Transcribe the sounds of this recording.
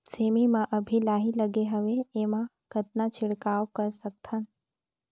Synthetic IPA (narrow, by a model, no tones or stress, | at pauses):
seːmimãʔəbʱilaːɦiləɡeɦəʋeeːmã | kət̪nat͡ʃɪɽkaːwkəɾsək̚t̪ʰən